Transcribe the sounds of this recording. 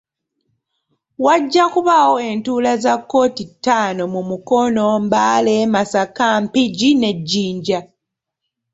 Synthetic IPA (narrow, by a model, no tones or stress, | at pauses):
waɟːakuβawo̞e̞ntuːlazakːo̞ːtitːaːno̞mumuko̞no̞mbaːleːmasakaːmpiɟine̞ɟːiːɲɟa